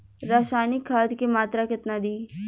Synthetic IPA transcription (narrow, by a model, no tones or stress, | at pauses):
ɾaːʃaːnɪkʰːaːd̪kemaːt̪ɾakɪt̪nad̪iː